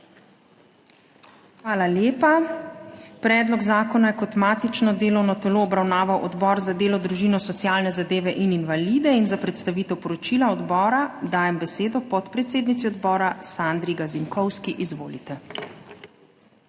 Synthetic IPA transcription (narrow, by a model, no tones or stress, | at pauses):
xʋaːlaljeːpa | pɾɛːd̪lɔɡzaːkɔnajɛkɔt̪maːt̪it͡ʃnɔd̪eːlɔwnɔt̪ɛloːbɾawnaːʋawʔɔd̪bɔːɾzad̪eːlɔd̪ɾuʒiːnɔsɔt̪sjaːlnɛzad̪eːʋɛʔininʋaliːd̪ɛinzapɾɛt̪st̪aʋiːt̪ɛwpɔɾɔt͡ʃilaɔd̪bɔːɾad̪aːjɛmbɛseːd̪ɔpɔt̪pɾɛt̪seːd̪nit̪siɔd̪bɔːɾasand̪ɾiɡaziŋkɔwskiʔizʋo̰ːlit̪ɛ